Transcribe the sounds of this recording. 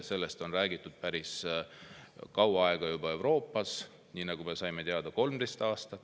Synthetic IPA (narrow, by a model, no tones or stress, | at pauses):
se̞lːe̞st̪o̞nræːɡ̥it̪ːˑud̪̥̚pæɾis | kɑwɑɑeɡ̥ɑjubɑe̞wɾo̞ːpːˑɑs | niːnɑɡ̥ume̞sɑjme̞t̪eɑd̪ɑko̞lmd̪̥ejst̪ɑːst̪ɑt̪ːˑ